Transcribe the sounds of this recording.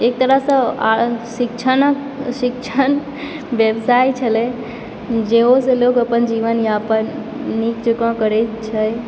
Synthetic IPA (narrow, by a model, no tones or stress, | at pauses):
ek̚t̪əɾəɦsə̃a̰sik̚t͡ʃʰənək | sik̚t͡ʃʰən | bjəbsait͡ʃʰəlɛ | d͡ʒeosẽlokəpənd͡ʒiʋənjãəpənː | ikt͡ʃukɔ̃kəɾɛt̪t͡ʃʰəj